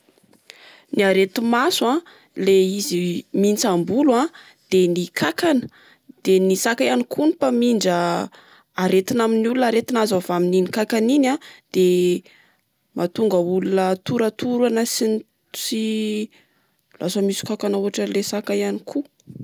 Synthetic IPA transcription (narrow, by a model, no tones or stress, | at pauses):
niaɾet̪imasã | leizimint͡sambulã | d̪̥enikʰakanə̥ | d̪̥enisakajanikʰunipamiɳɖ͡ʐəː | ɾet̪inaminulunaɾet̪inazavamininikakaninãd̪̥e | mʔat̪uŋɡəulunət̪uɾat̪uɾanəsin | si | lasamisu̥kakanuɦaʈ͡ʂəlesakajanikʰu